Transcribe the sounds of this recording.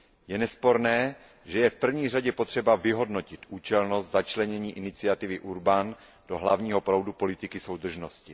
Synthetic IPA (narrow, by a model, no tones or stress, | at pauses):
jɛnɛspo̞ɾnɛː | ʒɛjɛfpr̩vɲiːr̝aɟɛpo̞t̪r̝̥ɛbavɪɦo̞dno̞cɪt̪ʔuːt͡ʃɛlno̞st̪zat͡ʃlɛɲɛɲiːʔɪnɪt͡sɪat̪ɪvɪʔuɾban | d̥o̞ɦlavɲiːɦo̞pɾowdupo̞lɪt̪ɪkɪso̞wd̪r̩ʒno̞scɪ